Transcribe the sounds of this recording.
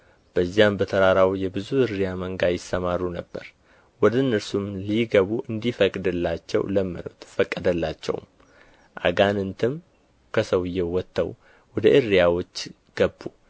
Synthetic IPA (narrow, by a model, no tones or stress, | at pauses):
b̥əzːijambət̪ʰəɾaɾawjɛbɨzuɨrːijaməŋɡajɪsːəmarːunəbːə̰ɾ | wɔd̪ɨnːɨɾsumliɡəβuʔɨnd̪ifəkʼd̪ɨlːat͡ʃːɛ̰wləmːɨ̰no̰t̪ʰfəkʼːəd̪əlːat͡ʃːɛ̰w̰m | ʔa̰ɡanɨnt̪ʰɨm | kʰəsəwɨjːɛwɔt̪ːə̰w | wɔd̪əʔɨrːijawo̞t͡ʃː | ɡ̥əbːu